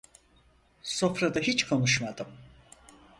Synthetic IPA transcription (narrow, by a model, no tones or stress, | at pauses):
so̞fɾad̪aɦit͡ʃkʰonuʃmad̪ɯm